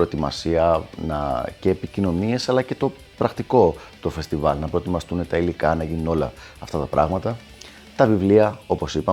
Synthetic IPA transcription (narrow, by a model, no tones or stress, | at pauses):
pɾo̞et̪imɐsiɐnɐ̰ce̞ːpicino̞nie̞sɐlɐce̞t̪o̞ | pɾɐxt̪iko̞t̪o̞fe̞st̪ivɐlnɐpɾo̞et̪imɐst̪unet̪ɐilikɐnɐʝinuno̞lɐ̰ː | ft̪ɐt̪ɐpɾʔɐ̰ɣmɐt̪ɐ | t̪ɐvivliɐo̞po̞sipɐ